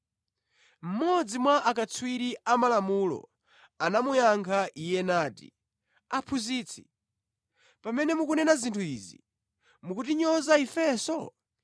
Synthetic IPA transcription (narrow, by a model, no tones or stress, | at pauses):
m̩mɔd͡zimwaʔakat͡sʰwiɾiʔamalamulɔ̰ | anamujaŋkʰaʔijɛnaːtḭ | apʰuziːt͡sʰi̥ | pamɛnɛmuk̬unɛnazintʰuiːzḭ | mukutiɲɔzaifɛsɔ